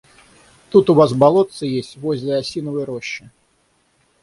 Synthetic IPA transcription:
t̪ut̪uvasbalˠɔt̪sɨjesʲt͡sʲvɔzʲlʲɐasʲinɐvɨjɾɔɕːi

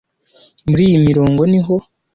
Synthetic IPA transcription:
muɾiːjimiɾo̞ːŋɡoniɦo̞

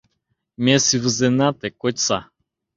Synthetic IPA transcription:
mɛsivəzɛnat̪ɛkɔt̪sa

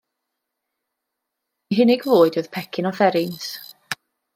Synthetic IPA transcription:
iɦɪnɪɡvoːɨdoð̥pʰɛkʰɪnɔθɛɾɪns

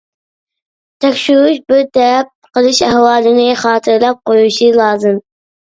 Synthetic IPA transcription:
t̪ʰɛkʲʃywuʃbɪɾt̪ɛp̚qəlˠɨʃæhwɑːlɪnɪχɑːt̪ʰɨɾlˠɛp̚qojuʃilˠɑːzɨm

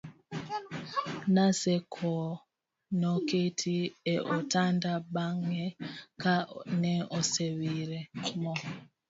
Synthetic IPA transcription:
nasɛkʰɔ | nɔketʰiɛʔɔtandaɓaŋɛkanɛɔsewiɾɛmɔ

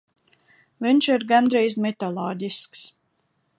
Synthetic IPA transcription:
viɲʲʃiɾɡanɾɛjzmʲɛt̪alˠɔːɟisks

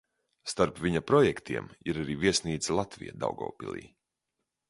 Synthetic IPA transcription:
st̪aɾpviɲapɾɔjɛkt̪ʰiɛmiɾaɾiːviɛsniːd̪sʲlˠat̪vḭja̰d̪a̰wɡɔ̰ːpʲḭlˠḭː

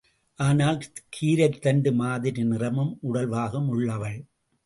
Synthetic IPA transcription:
ʔaːnaːlkʰiːɾɐɪt̪ːɐɳɖɯmaːðɪɾinɪrɐmɯmʔʊɽɐlʋaːɣɐmʊɭːɐʋɐɭ

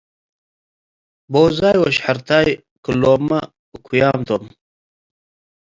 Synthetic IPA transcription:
boːzaːjwoɕħaɾt̪aːj | kuloːmɐ | ukʰujaːmt̪om

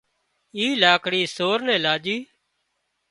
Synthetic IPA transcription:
iːlaːkɽiːsoːɾnɛ̃ːlaːd͡ʒiː

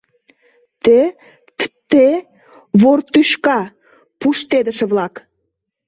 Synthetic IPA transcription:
t̪e | t̪e | βort̪yʃkɑ | puʃt̪ed̪əʃə̆βlɑk

